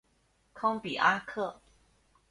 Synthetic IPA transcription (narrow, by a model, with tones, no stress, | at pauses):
kʰɑ˥ŋpi˨˩ʔa˥kʰɤ˥˩